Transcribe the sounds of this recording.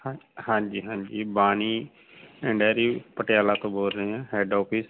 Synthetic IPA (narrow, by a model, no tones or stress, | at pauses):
hãːɲd͡ʒiːɦãːɲd͡ʒiːbaːniː | ɪ̃ɳɖaːɾiːpəʈɪjaːlaːt̪õːboːlɾəeːɛ̃ːɦɛːɖɔːpʰɪs